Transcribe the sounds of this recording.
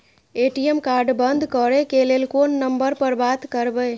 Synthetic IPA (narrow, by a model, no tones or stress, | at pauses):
eʈijemkaɾɖbənd̪ʱkəɾekelelkonːəmbəɾpəɾbat̪kəɾbə